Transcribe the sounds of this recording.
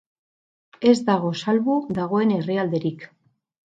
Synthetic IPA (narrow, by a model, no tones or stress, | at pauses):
e̞zd̪aɣ̞o̞salβuðaɣ̞o̞e̞ne̞riald̪e̞ɾik